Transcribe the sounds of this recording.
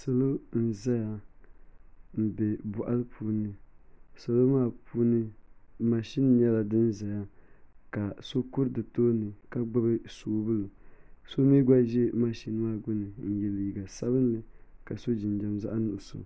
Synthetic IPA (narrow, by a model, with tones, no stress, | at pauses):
so˨lo˦n̩˦za˦ja˨ | m̩˨bɛ˨bʊ˨ʔa˦lɨ˦pʰuː˦nɨ˦so˨lo˦maː˦˨pʰuː˦nɨ˦ma˨ʃi˦n˦ɲɛ˦la˨dɨ˦nza˨ja˦ka˨so˦kʊ˦ɾdɨ˨toː˦nɨ˨ka˦ɡ͡bʊ˦bɨ˦soː˨bɨ˦lo˨so˦mi˦ɡa˦ʒɛ˦ma˦ʃi˦n˦maː˦˨ɡʊ˦nɨ˨n̩˨jɛ˨lji˨ɡa˨sa˦bɨ˦nlɨ˨ka˨so˦d͡ʒɪ˨nd͡ʒa˦mza˦ʔnʊ˨ʊ˨so̰˨